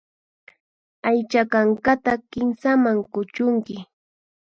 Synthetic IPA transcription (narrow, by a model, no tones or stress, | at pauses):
ajt͡ʃakaŋkat̪akɪmsamaŋkʊt͡ʃʊŋkɪ